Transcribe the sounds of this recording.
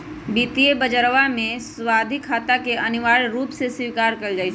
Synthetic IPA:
biːt̪iebəd͡ʒəɾʋamẽswaːd̪ʱɪkʰaːt̪akeʔɐnɪʋaːɭɾuːpseswiːkaːɾkɐɾd͡ʒaːi

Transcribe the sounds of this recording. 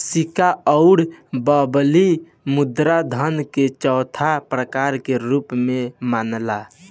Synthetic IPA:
sikaəʊɽbəbli | mud̪ɾad̪ʱənket͡ʃəwt̪ʰapɾəkaɾkeɾupmemanla

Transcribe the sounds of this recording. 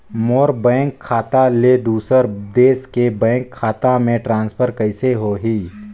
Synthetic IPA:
moːɾbɛ̃ːŋkʰːaːt̪aled̪uːsəɾd̪eːskebɛ̃ːŋkʰːaːt̪amẽʈɾãːnspʰəɾkəɪseɦoːɦiː

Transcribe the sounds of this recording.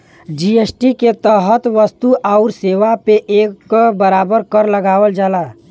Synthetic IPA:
d͡ʒieːsʈiket̪əɦət̪ʋəst̪uʔaʊɾseːʋapeʔeːkbəɾaːbəɾkəɾləɡaːwəld͡ʒaːlaː

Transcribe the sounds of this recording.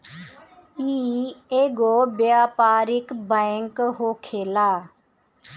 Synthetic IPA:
iːeːɡoːbjaːpaːɾɪkbəŋkɦoːkʰeːlaː

